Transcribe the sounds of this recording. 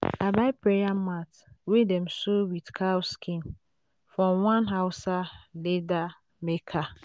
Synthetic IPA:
abaɪpɹejamat | wedɛmsowidkʰawskʰĩn | fɹɔ̃mwãnɦaʊsaleda | mekʰa

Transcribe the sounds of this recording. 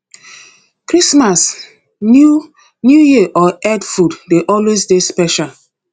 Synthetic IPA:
kɾismas | nu | njujiʔɔɛdfuddeʔɔlwesdespɛʃal

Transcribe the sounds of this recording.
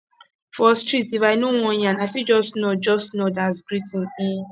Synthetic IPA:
fɔstɾitivaɪnoŋɔɲanaɪfid͡ʒɔstnod͡ʒɔstnodazɡɾitin̩

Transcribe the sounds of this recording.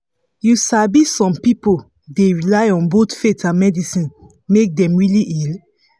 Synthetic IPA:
jusabisɔ̃mpipo | deɹilaɪɔ̃nbotfetʰãnmɛdisĩn | mek̚dɛ̃mɹiliʔil

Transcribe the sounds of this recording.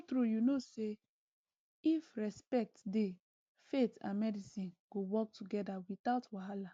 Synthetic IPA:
tɾujunose | ifɹɛspɛk̚tde | fetã̰nmɛdisĩnɡ̥owɔk̚tʰuɡɛdawitaʊtwaɦala

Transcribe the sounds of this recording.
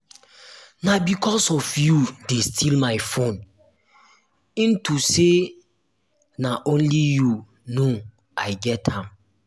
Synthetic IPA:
nabikʰɔsɔfjudestʰilmaɪfõn | ĩntʰuse | naʔõnliju | no | ʔaɪɡɛthãm

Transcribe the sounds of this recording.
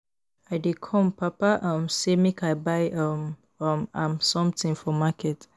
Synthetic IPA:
aɪdekʰɔ̃mpapaʔɔ̃msemikaɪbaɪɔm | ɔmãmsɔ̃mtĩŋfɔmakʰɛt

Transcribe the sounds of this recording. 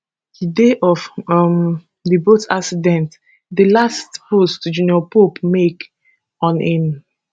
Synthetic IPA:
dideʔɔfm | dibotaksidɛ̃nt | dəlastpostd͡ʒuniɔpopmek | ɔ̃nĩn

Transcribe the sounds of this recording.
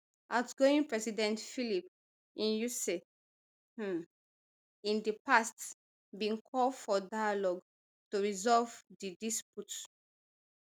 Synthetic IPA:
ʔatɡoĩŋpɹɛsidɛ̃ntfilip | ĩnjuse | ĩndipast | bĩnkʰɔldfɔdajalɔɡ | tuɹizɔvdidisput

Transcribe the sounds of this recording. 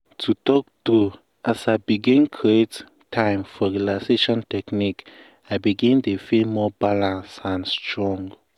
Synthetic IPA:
tʰutɔk̚tu | ʔasaɪbiɡĩnkʰɹiet | tʰãɪ̃mfɔɹilaseʃɔ̃ntɛknik | aɪbiɡĩndefilmɔbalãnsãnstʰɹɔ̃ŋɡ

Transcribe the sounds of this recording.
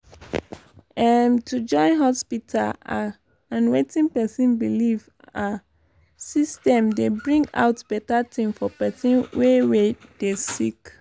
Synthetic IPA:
ãntʰud͡ʒɔ̃ɪ̃nɦɔspitʰala | ãnwetĩŋpɛsĩnbiliv | a | sistɛ̃mdebɹĩŋɡa̰ʊtb̥ɛtatʰĩmfɔpɛsĩnwewed̥esik

